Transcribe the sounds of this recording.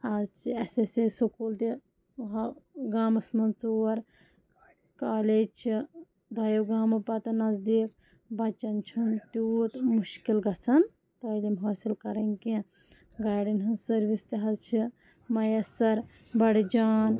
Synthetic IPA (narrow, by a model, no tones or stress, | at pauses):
aːzt͡ʃʰiɐsesesokoːlt̪i | ɦɡaːmɐsmɐnt͡suːɐɾ | kaːleːd͡ʒt͡ʃʰi | d̪ʱɐjɐwɡaːmɐpɐt̪ɐnɐzd̪iːk̚ | bɐt͡ʃɐnt͡ʃʰunt̪ut̪muʃkilɡɐt͡sʰɐn | t̪ɐlimɦoːsilkɐɾɐnʲkĩ | ɡaːjɖɐnɦɐnsɐɾʋist̪iɦɐzt͡ʃʰi | mɐjɐsɐɾ | bɐɽd͡ʒaːn